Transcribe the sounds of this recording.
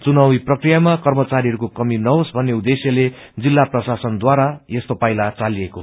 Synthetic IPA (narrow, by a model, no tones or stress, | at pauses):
t͡sunawiprʌkrijamakʌrmʌt͡saɾiɦʌɾukokʌminʌɦosbʱʌnːeud̪esjʌle | d͡zilːaprʌsasʌnd̪waɾajest̪opajlat͡salieko